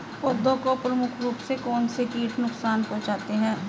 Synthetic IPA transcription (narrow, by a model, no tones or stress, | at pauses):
pʊd̪ʱõkopɾəmʊkʰɾuːpsekɔːnsekiːʈʰnʊksaːnpɔ̃ːt͡ʃaːt̪eɦɛ̃ː